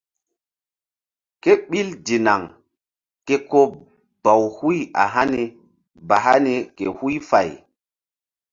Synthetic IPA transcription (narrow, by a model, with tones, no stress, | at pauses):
ke˦ɓi˦ldi˨na˨ŋ | ke˦ko˦p̚ | b̥a˨whu˦ja̰˨ɦa˦ni˨ | ba˨ɦa˦ni˨kḛ˨hu˦jfa˨j